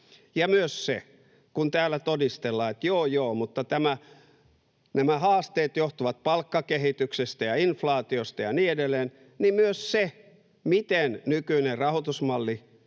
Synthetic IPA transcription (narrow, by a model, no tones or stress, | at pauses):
jɑmyøssḛ | kunt̪æːlːˑæt̪odist̪elːɑːet̪joːjoːmut̪ːɑt̪æmæ | næmæhɑːst̪eːt̪joht̪uʋɑt̪̚pɑlkːɑkehit̪yksest̪æjɑinflɑːt̪iost̪ɑjɑniːedelːˑeːn | nimmyøsse | mit̪ennykyinerɑhot̪usmɑlːi